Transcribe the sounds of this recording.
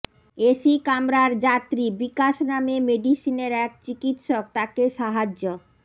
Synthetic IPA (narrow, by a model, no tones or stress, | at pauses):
eʃikamɾaɾd͡ʑat̪ɾibikaʃnamemeɖiʃineɾɛk̚t͡ɕikit̪ʃok̚t̪akeʃaɦad͡ʑːo